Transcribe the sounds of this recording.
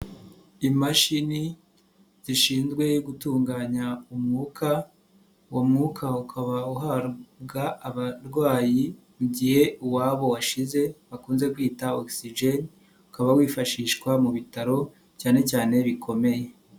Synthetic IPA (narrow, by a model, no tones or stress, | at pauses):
imaʃini | z̥iʃiːnzɡwe̞joɡutuːŋɡaːɲaumŋukʰa | womŋukʰaukʰaβauɦaɾbɡaːβaɾɡwaːji | muɟihe̞uwaːβo̞waʃize̞βakuːnze̞kwiːtaoksiʒen | ukaβawiːfaʃiːʃkwamuβitaɾo̞ | caːne̞caːne̞βikʰo̞me̞je̞